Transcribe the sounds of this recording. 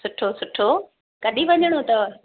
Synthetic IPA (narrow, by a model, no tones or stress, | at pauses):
sʊʈʰosʊʈʰːo | kɐɗiʋɐɲəɽ̃ot̪ɐ